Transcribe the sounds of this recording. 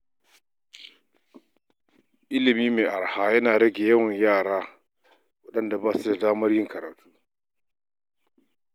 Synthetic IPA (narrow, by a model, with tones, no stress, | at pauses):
ʔɪ˦lɪ˨miː˦meː˨ʔa˨ɽhaː˦jɐ˦naː˨ɽɐ˦ɡʲeː˨jɐ˦wɐ˨ɲjaː˦˨ɽaː˦ | wɐ˦ɗɐ˦nda˨baː˦su˦da˨daː˦mɐ˦rjɪ˦ŋkɐ˨ɾaː˨tʰuː˦